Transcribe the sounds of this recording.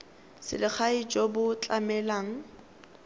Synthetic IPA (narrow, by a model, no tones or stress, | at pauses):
sɪ̰lɪk͡xʰait͡ʃʼɔbʊt͡ɬʼamɛlaːŋ̩